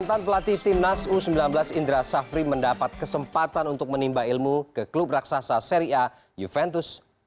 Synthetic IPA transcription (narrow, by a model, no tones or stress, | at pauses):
nt̪anpəlat̪ɪht̪ɪmnasusəmbilanbəlasind̪ɾasafɾiməndapat̪̚kəsəmpat̪anunt̪ʊk̚mənimbailmukəklup̚raksasaseɾia | jufɛnt̪ʊs